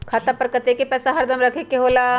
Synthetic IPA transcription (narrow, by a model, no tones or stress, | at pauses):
kʰaːt̪apəɾkət̪ekepɛːsaɦɐɾd̪ʱəmɾɐkʰekeɦoːlaː